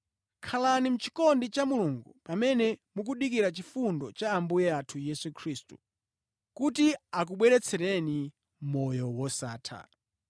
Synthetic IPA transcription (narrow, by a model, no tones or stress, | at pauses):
kʰalanim̩t͡ʃi̥kɔndit͡ʃamuluŋɡupamɛnɛmuk̬uɗik̬iɾat͡ʃifundɔt͡ʃaːmbujɛatʰujɛsukʰɾistu | kutiak̬uɓwɛɾɛt͡sʰɛɾɛni | mɔjɔwɔsa̰ːtʰa̰